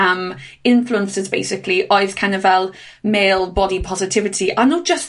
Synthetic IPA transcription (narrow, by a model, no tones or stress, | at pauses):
əm | ɪ̃ɱfluə̃nsəzbeɪsɪkʰliʔɔɪð̥kʰãɪ̃nəvɛlˠ | meɪlˠbɒdipʰɒzɪtʰɪvɪtʰiʔanoʒ̥əs